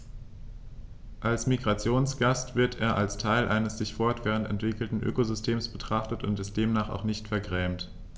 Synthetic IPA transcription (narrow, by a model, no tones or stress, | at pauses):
ʔalsmiɡʁat͡sjoːnsɡ̥astv̥ɪɐtʰeːɐʔalstʰaɪlʔaɪnəsz̥ɪçfɔɐtv̥ɛːʁ̞əntɛntv̥ɪkl̩tn̩ʔø̰ːkozʏstʰeːmsb̥ətʁ̥aχtətʊ̰ntɪst̚d̥eːmnaːχa̰ʊχnɪçtfɛɐɡʁɛːmt